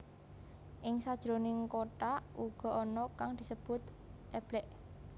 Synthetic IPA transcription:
ʔɪŋsad̥ʒ̥ɾonɪŋkoʈaʔuɡ̥ɔ̤ɔnɔkaŋd̪̥i̤səb̥ʊt̪ | ʔeb̥lɛʔ

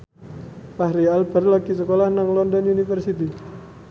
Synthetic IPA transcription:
pahɾialbərlaɡisəkolahnaŋlɔndɔnunifərsit̪i

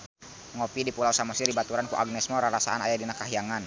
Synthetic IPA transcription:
ŋɔpidipulawsamɔsirdibat̪uɾankuʔaɡ̚nɛsmɔɾaɾasaanajadinakaɦiaŋan

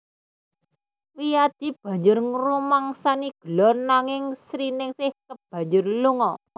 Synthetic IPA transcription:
wijad̪̥i̤b̥a̤ɲd͡ʒʊrŋrumaŋsaniɡ̥ə̤lɔrnaŋɪŋsɾinɪŋsɪhkəb̥a̤ɲd͡ʒʊrluŋɔ

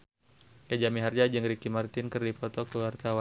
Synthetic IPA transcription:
jad͡ʒamiɦard͡ʒad͡ʒəŋɾikimart̪ɪnkərdipɔt̪ɔkəwart̪awan

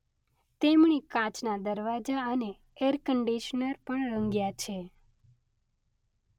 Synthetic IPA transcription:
t̪emɳ̃ikãt͡ʃnad̪əɾʋad͡ʒaəneː | ɾkəɳɖiʃnəɾpəɳɾə̃ŋɡjat͡ʃʰe

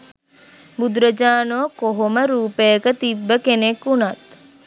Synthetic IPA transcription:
bud̪ɾəd͡ʒaːnokoɦoməɾuːpejəkət̪ibːəkenekːunat̪

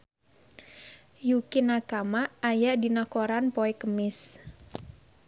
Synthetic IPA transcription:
jukinakamaːjaʔdinakoɾanpoɛkəmɪs

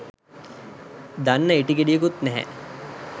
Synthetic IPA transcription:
d̪anːəiʈiɡeɖijək̬ut̪nɛɦɛ̰

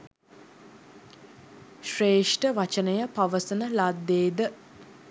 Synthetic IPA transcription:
ʃreːʂʈəʋat͡ʃənəjəpaʋəsənəlad̪ːeːd̪ə

